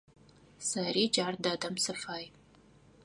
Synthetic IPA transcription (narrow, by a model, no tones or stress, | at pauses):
sɐriːd͡ʒaːrdɐdɐmsɨfaːj